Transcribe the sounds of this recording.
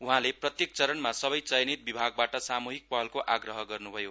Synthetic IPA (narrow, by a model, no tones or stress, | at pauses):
uɦãleprʌt̪jek̚t͡sʌɾʌnmasʌbʌjt͡sʌjnit̪̚bibʱaɡ̚baʈʌsamuɦik̚pʌɦʌlkoʔaɡrʌɦʌɡʌrnubʱʌjo